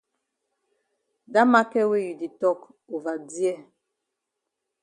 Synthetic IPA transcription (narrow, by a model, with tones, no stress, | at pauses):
da˦ma˦kɛ˦we˦ju˨di˨tɔ˦k | o˨va˨di˦ɛ˦˨